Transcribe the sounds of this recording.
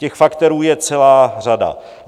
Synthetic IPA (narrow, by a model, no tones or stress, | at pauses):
cɛxfakt̪ɛɾuːjɛt͡sɛlaːr̝ada̰